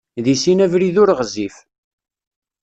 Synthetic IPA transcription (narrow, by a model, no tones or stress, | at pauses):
ðisinævɾiðʊɾʁzif